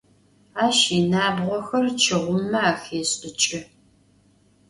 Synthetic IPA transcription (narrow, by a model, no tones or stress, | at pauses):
aːʃinaːbʁʷɔxɐrt͡ʃʰɨʁʷʊmɐaːxeːɕʼɪt͡ʃʼɪ